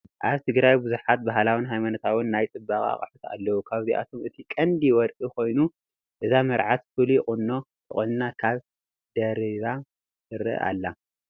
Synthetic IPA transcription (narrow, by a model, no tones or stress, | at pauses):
ʔaβt̪ʰɨɡɾajbuzuħat̪̚baɦlawɨnɦajmanot̪ʰawʊnːajt͡sʼɨbːaχʼa̰χʼaħut̪ʰa̰lːɐwukʰaβziʔa̰t̪ʰo̞mʔɨt̪ʰikʼɐnd̪iwɔɾʔʼiko̞jnu | ʔɨzamɐɾʕat̪fɨliχʼɨnːo̞ | t̪ʼɨ̰χʼɨnnakʰaβ | d̪̥ɐɾiβa | ɨɾɨ̰a̰lːa